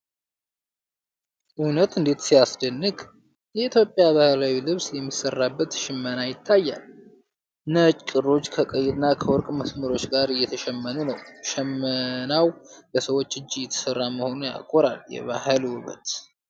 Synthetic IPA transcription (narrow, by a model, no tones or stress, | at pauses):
ʔunət̪ɨnd̪e̞t̪sijasd̪ənːɨɡ | jɛit̪ʰjo̞pʼːjaβahlawilɨβsjɛmːisːərːabːət̪ʃɪmːənajɪt̪ʰːajːa̰l | nət͡ʃʼkʼɨrːo̞t͡ʃːkʰəkʼəjːɛt̪nːakʰəwɔɾkʼməsməɾo̞t͡ʃːɡaɾɨjːɛt̪ʰəʃɛmːənunəwʃɛmːənawləsəwo̞t͡ʃːɨd͡ʒːijɛt̪ʰːə̥sərːaməho̞nuja̰kʼoɾa̰ljɛ̰βa̰hɨlwɔβə̰t̪